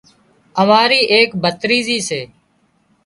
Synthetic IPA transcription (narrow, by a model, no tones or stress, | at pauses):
əmaːɾiːʔeːkbət̪ɾiːziːseː